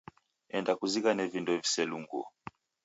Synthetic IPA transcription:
ɛndakuzikanɛvindɔvisɛluŋɡɔ̰

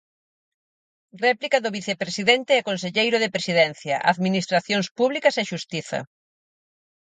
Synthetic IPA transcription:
rɛplikɐðʊβiθepɾesiðent̪eɛkonseʎejɾʊðepɾesiðɛnθjɐʔa̰ðminist̪ɾaθjoŋspuβlikɐsɛʃust̪iθɐ̰

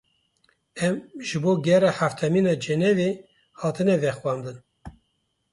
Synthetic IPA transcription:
ɛmʒɨboːɡɛrɛħaft̪ʰɛmiːnɑːd͡ʒɛnɛveː | hɑːt̪ʰɨnɛvɛxwɑːmd̪ɨn

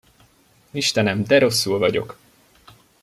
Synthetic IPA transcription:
iʃt̪ɛnɛmd̪ɛɾo̞sːulvɒɟo̞̰k

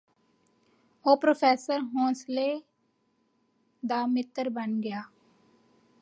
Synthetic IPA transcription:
oːpɾoːpʰeːsəɾɦõːsleː | d̪aːmɪt̪ːəɾbənɡəjaː

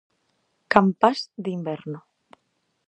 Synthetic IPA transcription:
kampasd̪imbeɾno

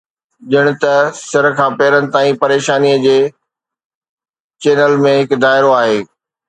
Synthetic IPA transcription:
ʄɪɽ̃ʊ̆t̪ɐsɐɾkʰãːpeːɾənɪ̆t̪aːĩpɐɾeːʃaːniəd͡ʑeː | t͡ɕeːnəlmẽɦɪkd̪aːɪɾoaːɦeː

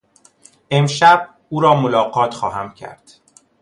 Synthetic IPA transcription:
e̞mʃæb̚ | uːɾɒːmolɒːɢɒːt̪ʰxɒːɦæmcʰæ̰ɾd̪̥

